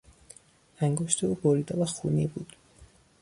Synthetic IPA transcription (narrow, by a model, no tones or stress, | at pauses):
æŋɡoʃt̪ʰeuːboɾiːd̪ɛvæxṵniːbuːd̪̥